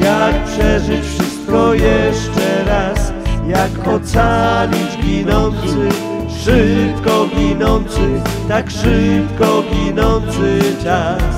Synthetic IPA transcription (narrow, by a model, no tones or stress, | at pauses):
jak̚pʂɛʐɨt͡ɕfʂɘst̪̚kɔjɛʂt͡ʂɛɾasjakɔt̪salʲid͡ʑɡʲinɔnt̪sɘ | ʂɪp̚kɔɡʲinɔnt̪sɘt̪akʂɘpkɔɡʲinɔnt̪sɨɘt͡ʃas